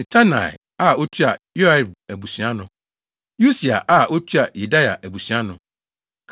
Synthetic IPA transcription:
tʰa˦na̰˨ɛ̰˨ | a˦˨o˦t͡ɕʰi˦a˨ju˦a˦˨bæ˨bu˨sɥa˦nʊ̃˨ | ju˦si˨a̰˨ʔa˦o˦t͡ɕʰᶣi˦a˨ju˨da˦ja̰˨ʔæ˨bu˨sɥa˦nʊ̃˨ | kʰ

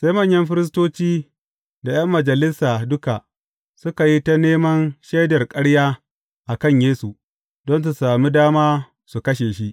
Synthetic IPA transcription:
sa˦jmɐ˦˨ɲjɐ˦mɸɪ˦ɾɪ˦s̬toː˦t͡ʃiː˦ | da˨j̰ɐ˦mːɐ˨d͡ʒɐ˨lɪ˦saː˨dʊ˦ka˨ | sʊ˦ka˨ji˦ta˦neː˦mɐ˦nʃe˦jdɐ˨rkʼɐ˦ɽjaː˦ | ʔa˨kɐ˦˨ɲjeː˦su˨ | dɔ˦ns̬u˨saː˨mi˦daː˦maː˦ | su˨kɐ˦ʃeː˨ʃi˦ʔ

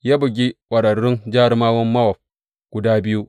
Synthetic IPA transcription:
ja˦bu˨ɡʲi˦wʷɐ˨ɾɐ˨ɾɪ˦nd͡ʒa˦ɾma˦wɐ˦mːa˦wa˨p̚ | ɡ̥u˨daː˦bi˦ju˦

